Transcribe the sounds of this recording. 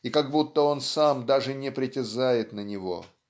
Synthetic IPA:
ikaɡbut̪ːəo̞nsamd̪aʐɨnʲɪpɾʲɪtʲɪzajɪt̪nənʲɪvo̞̰

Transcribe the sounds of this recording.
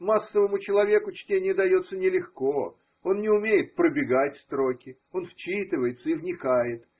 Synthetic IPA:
masːəvəmʊt͡ɕɪlˠɐvʲe̞kʊt͡ɕtʲenʲɪjəd̪ɐjo̞t̪sənʲɪlʲɪxko̞ | o̞nːʲɪʊmʲejɪt̪̚pɾəbʲɪɡatʲfʲst̪ɾo̞kʲɪ | o̞nft͡ɕit̪ɨvəjɪt̪səivnʲɪkajɪt̪

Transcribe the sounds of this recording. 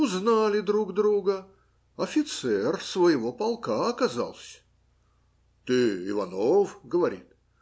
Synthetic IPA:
ʊznalʲɪd̪ɾuɡd̪ɾuɡə | ɐfʲɪt̪sɛrsvəjɪvo̞pɐlˠkaɐkɐza̰lˠsʲ | t̪ɨɪ̰vɐnofɡəvɐɾʲḭt̪̚

